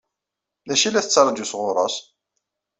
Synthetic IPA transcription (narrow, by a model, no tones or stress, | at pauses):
læʃilːæθət͡sːɑɾˤɑd̪usʁʊɾˤɑ̰s